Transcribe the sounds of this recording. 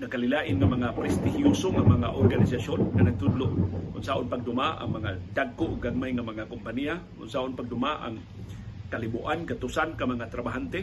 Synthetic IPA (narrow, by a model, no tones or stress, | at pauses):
ŋakalɪlaʔɪnŋamaŋapɾɛst̪ɪhiusoŋamaŋaʔorɡanɪsasonŋanaɡ̚t̪ʊd̪lʊʔʔʊ̰nsaʔʊnpaɡ̚d̪ʊmaʔa̰ŋmaŋad̪aɡ̚kʊʔʊɡaɡ̚majŋamaŋakʊmpaniakʊ̰nsaʔʊnpaɡ̚d̪ʊmaʔa̰ŋ | kalɪbuʔankat̪usankamaŋat̪ɾabaɦant̪e